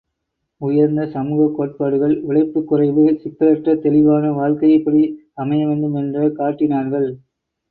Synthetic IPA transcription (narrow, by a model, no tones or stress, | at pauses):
ʊjɐɾnd̪ɐsɐmuːɣɐkːoːʈ̚paːɽɯɣɐɭʋɪɭɐɪpːɯkːʊrɐɪʋɯsɪkːɐɾɐʈrɐt̪ɛlɪʋaːnɐʋaːɻkɐjɐɪpːɐɽi | ɐmɐjɐʋeːɳɖɯmɛndrɐkaːʈːɪnaːɾɣɐɭ